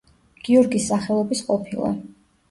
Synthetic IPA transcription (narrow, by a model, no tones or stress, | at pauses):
ɡ̥iɔɾɡisːaχɛlˠɔbisqʼɔpʰilˠa̰